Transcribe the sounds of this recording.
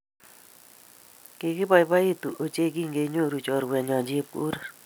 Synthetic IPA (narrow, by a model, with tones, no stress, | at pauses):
ke˧˨kɪ˦ba˨jba˦i˦tu˨ʔo˨t͡ʃe˦k̬i˦˨ŋɡe˧˨ɲo˦˨ɾu˨t͡ʃɔ˨ɾwɛ˨ɲɔ˨ɲd͡ʒi˦p̚kṵ˦ɾa˦˨